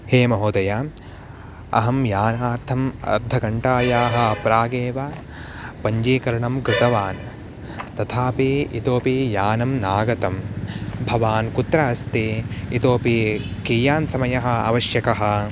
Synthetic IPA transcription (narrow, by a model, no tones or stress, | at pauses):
heːmɐɦoːd̪ɐjaː | ɐ̰ɦɐmjaːnaːɾt̪ʰɐmɐ̰ɾd̪ʱɐɡɐɳʈaːjaːɦɐ̆pɾaːɡeːʋaː | pɐɲd͡ʒiːkɐɾɐɳɐmkɾɪt̪ɐʋaːn | t̪ɐt̪ʰaːpiit̪oːpijaːnɐmnaːɡɐt̪ɐmbʱɐʋaːnkut̪ɾɐɐst̪eit̪oːpikiːjaːnsɐmɐjɐɦɐ̆a̰ʋɐʃjɐkɐɦɐ̆